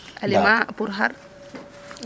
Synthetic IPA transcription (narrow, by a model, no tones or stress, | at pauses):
alimapuɾɦaɾ